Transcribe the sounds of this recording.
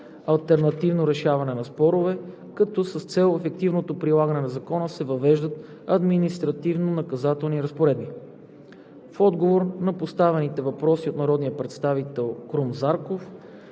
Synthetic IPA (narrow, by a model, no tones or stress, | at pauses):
ɐlˠt̪ɛɾnɐt̪ivnoɾɛʃavɐnɛnɐspɔɾovɛ | kɐt̪ɔsəst̪sɛlˠɛfɛk̚t̪ivnot̪opɾilˠaɡənɛnɐzɐkɔnəsɛvɐvɛʒd̪ət̪ | ɐd̪minist̪ɾɐt̪ivnonɐkɐzat̪ɛlˠniɾəspoɾɛd̪̚bi | fɔd̪ɡovoɾnɐpost̪avɛnit̪ɛvɐpɾɔsiot̪nɐɾɔd̪nijəpɾɛt̪st̪avit̪ɛlˠkɾumzaɾkof